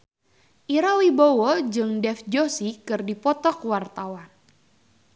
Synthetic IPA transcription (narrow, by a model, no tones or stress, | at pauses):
ʔiɾawibowod͡ʒɨŋdɛfd͡ʒosikɨrdipɔt̪ɔkwart̪awan